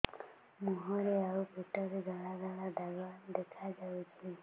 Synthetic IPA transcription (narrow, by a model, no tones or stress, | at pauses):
muɦɔɾeawbʱiʈɔɾeɡaɭaɡaɭad̪aɡad̪ekʰad͡ʒawt͡ʃʰi